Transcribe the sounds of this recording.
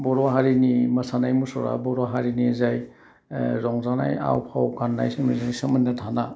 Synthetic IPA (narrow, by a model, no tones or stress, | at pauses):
bɔɾɔaɦaɾiniməsanajmusɔɾa̰bɔɾɔwaɦaɾinizaj | ɾɔŋzana̰ja̰wpʰawkanːa̰jsɯmizanisɯmɯnːatʰana